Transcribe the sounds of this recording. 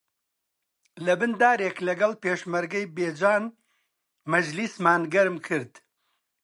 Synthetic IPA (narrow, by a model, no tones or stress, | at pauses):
lɐbɨnd̪aːɾeːklɐɡɐlpeːʃmɐɾɡɐjbeːd͡ʒaːn | mɐd͡ʒlismaːnɡɐɾmkʰɨɾd̪̥